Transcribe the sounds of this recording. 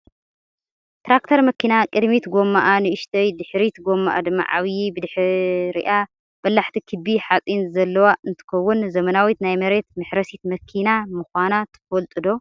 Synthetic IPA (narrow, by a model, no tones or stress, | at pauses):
t̪ɾakt̪ʰɐɾmɐkʰːinakʼɨd̪mit̪ɡo̞mːaʔanɨʔɨʃt̪ʰɐjd̪ɨħɾit̪ɡo̞mːa̰ʔa̰d̪ɨmːa̰ʕa̰βjibɨd̪ɨħɾḭʔa | b̥ɐlːaħt̪ʰikʰɨbiħat͡sʼinzɐlːɐwaʔɨnt̪ʰɨ̥kɐwːʊnzɐmɐnawit̪najmɐɾe̞t̪̚mɨħɾɐsit̪mɐkʰinamɨxʷanat̪ʰɨ̥fɐlt̪ʼɨd̪o̞